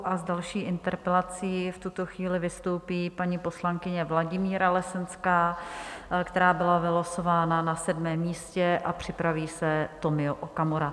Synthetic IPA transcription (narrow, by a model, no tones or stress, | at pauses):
ʔazdalʃiːʔɪnt̪ɛɾpɛlat͡siːft̪ut̪o̞xviːlɪvɪst̪o̞wpiːpaɲiːpo̞slaŋkɪɲɛvlaɟɪmiːɾalɛsɛnskaː | kt̪ɛɾaːbɪlavɪloso̞vaːnanasɛdmɛːmːiːscɛʔapr̝̥ɪpɾaviːsɛt̪o̞mɪoʔokamoɾa